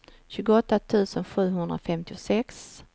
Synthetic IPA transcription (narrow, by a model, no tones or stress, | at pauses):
ɕʉ̟ːɡʊɔt̪ːat̪ʰʉ̟ːsənɧʉ̟ːɦɵnd̪ɾafɛmt̪ɪʊsɛks